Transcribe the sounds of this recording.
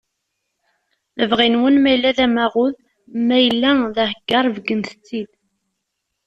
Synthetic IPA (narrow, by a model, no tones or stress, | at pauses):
ləvʁinwənmæjəlːæðæmæʁʊð | mæjəlːæðæhəɡːɑɾˤvɡənθə̥t͡sːid̪